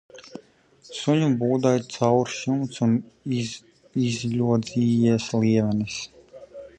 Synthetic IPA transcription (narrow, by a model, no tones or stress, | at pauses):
suɲubuːd̪ajt̪sawɾʃumt̪sun | izʎʲuɔd̪ziːjiɛsliɛvɛnis